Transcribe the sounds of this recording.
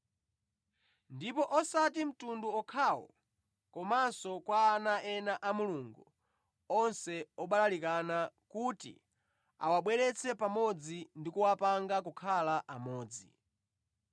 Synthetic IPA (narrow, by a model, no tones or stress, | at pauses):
ndipɔʔɔsatim̩tunduɔkʰawɔ̰ | kɔmansɔkwaːnaɛnaʔamuluŋɡu | ɔnsɛɔɓalalikanakutḭ | a̰waɓwɛɾɛt͡sʰɛpamɔd͡zindikuwapaŋɡak̬ukʰalaʔamɔːd͡zḭ